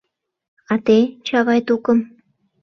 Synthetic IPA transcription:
ɑt̪et͡ɕɑβɑjt̪ukəm

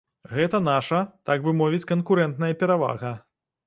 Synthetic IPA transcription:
ɣɛt̪ɐnaʂɐt̪aɡvɨmɔvʲit͡sʲkɐnkuɾɛnt̪nɐjɐpʲɛɾava̰ɣɐ

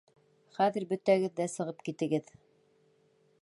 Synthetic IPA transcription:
χæðɘ̆ɾbɵ̆t̪æɡɘ̆ðːæsɤ̆ʁɤpkit̪ɘ̆ɡɘð

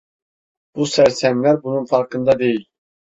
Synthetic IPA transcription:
b̥usæɾsɛmlæɾbunuŋfɑɾkɯnd̪ɑd̪ejil

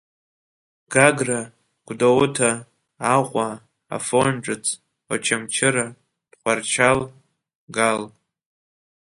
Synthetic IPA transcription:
ɡ̥aɡra | ɡ̥ʷdawʊtʰaː | qʷʼa | a̰fonʈ͡ʂʼɨt͡sʰʼ | ot͡ʃʰamt͡ʃʰɪɾa | d̥χʷart͡ʃʰal | ɡal

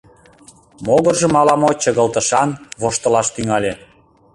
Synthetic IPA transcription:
moɣərʒə̆mɑlɑmot͡ɕəɣəlt̪ə̆ʃɑnβoʃt̪ə̆lɑʃt̪yŋɑlʲe

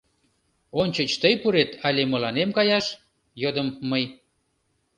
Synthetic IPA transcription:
onʲt͡ɕət͡ɕt̪əjpuɾet̪ɑlʲemə̆lɑnemkɑjɑʃ | jod̪əmːəj

